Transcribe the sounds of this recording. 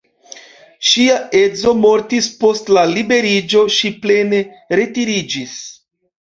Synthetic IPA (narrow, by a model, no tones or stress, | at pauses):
ʃiae̞d͡zo̞mo̞ɾtispo̞stlalibe̞ɾid͡ʒo̞ʃiple̞ne̞ | ɾe̞tiɾid͡ʒis